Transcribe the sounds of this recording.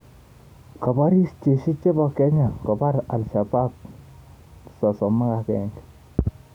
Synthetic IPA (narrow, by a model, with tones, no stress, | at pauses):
kɔ˨ba˦ɾi˦st͡ʃe˨ʃi˦t͡ʃe˦bɔ˨kɛ˦ɲa˨kɔ˨pa˦ɾa˨lsa˨ba˦p̚ | sɔ˨sɔ˨mːa˦ka˨kɛ˨ŋɡ